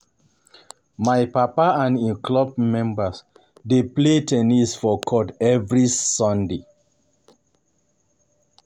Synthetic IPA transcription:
majpapaãnĩklɔb̚mɛ̃mbəs | depletʰɛnisfɔkʰɔtɛvɹisɔ̃nde

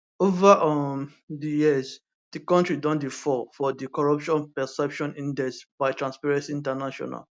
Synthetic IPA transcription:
ovaʔɔm | dijiz | d̥ikɔ̃ntɹidɔ̃ndifɔfɔdikɔɹɔpʃɔ̃npɛsɛpʃɔ̃nĩndɛsbaɪtɹãnspɛɹɛ̃nsiĩntɛnaʃɔ̰na̰l

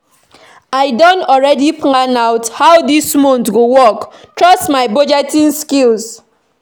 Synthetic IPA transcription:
aɪdɔnɔlɹɛdipɔ̃ŋanaʊthawdismõntɡowɔktɹɔstmaɪbɔd͡ʒɛtĩnskilz

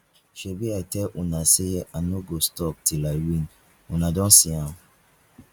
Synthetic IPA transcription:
ʃobiatɛlʔũnaseʔanoɡostɔk̚tilaɪwĩn | ũnadɔ̃nsiã

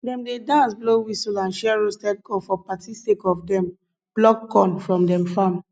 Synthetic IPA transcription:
dɛ̃mdedãnsblowisɔlãnʃɛɛɹostɛd̚ɡɔfɔpatisekɔfdɛ̃m | b̥lɔkːɔ̃nfɹɔ̃mdɛ̃mfãm

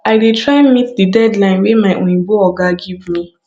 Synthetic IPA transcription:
aɪdetʰɹaɪmitdidɛdlãɪ̃nwemaɪʔõĩbɔɔɡaɡivmi

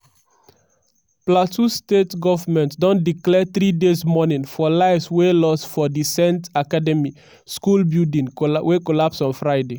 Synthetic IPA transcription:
platʰustetɡɔvəmɛ̃ntdɔ̃ndiklɛθɹidesmɔnĩnfɔlaɪvswelɔstfɔdisɛ̃ntakadɛmi | skulbuldĩŋwekɔlapsɔ̃nfɹaɪde

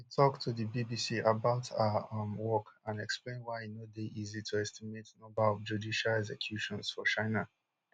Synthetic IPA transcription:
witʰɔktʰuðibibisiʔabaʊtʰamwɔkãnɛksplẽɪ̃nwaɪnodeʔizitʰuɛstimetnɔ̃mbaɔvd͡ʒudiʃalɛɡsɛkʰj̥uʃɔ̃nsfɔt͡ʃãɪna

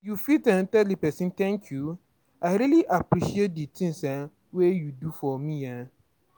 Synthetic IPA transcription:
jufitɛ̃ntɛlipɛsĩntʰɛ̃ŋkʰju | aɪɾiliʔapʰɾiʃiet̚ditʰĩnsɛ̃ | wejudufɔmĩa

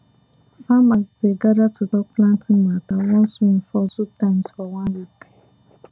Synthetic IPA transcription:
famasdeɡaɾatʰʊdɔplãntɪmatawɔ̃nsun̩fɔzutamsfɔwãnlikʰe̥

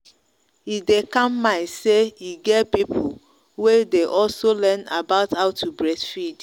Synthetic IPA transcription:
idekãmːãseiɡɛtpipʰo | wedeʔɔlsolɛnabaʊtaʊtʰːubɹɛdfid

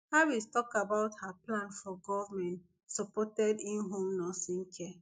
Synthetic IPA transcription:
hawistɔkabaʊthaplãnfɔɡɔvmɛ̃nt | sɔpɔtɛdĩnɦõmnɔsĩŋ̩kʰɛ

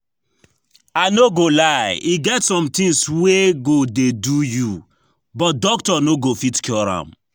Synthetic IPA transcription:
anoɡolaɪiɡɛtsɔ̃mt̪ĩŋsweɡodeduju | bɔt̚dɔktɔnoɡofitkʰjɔɾã̰m

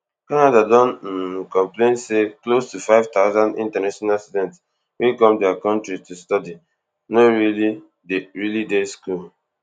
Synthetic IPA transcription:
kanadadɔ̃nkɔ̃mplẽnseklostufaɪvtaʊzãndḭ̃ntanaʃɔnalstudɛ̃nts | wekɔ̃mdɛakɔ̃ntɹitustɔdi | noɹili | deɹilideskul

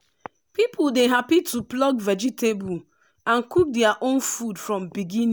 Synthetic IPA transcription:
pipʰuldeɦapitʰuplɔɡvɛd͡ʒitebu | ãnkuk̚dɛaʔonfudfɹɔ̃mbiɡĩñ

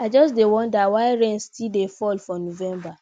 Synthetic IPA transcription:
ad͡ʒɔsdewɔ̃ndawaɪɹɛ̃nstildefɔlfɔnovɛ̃mba

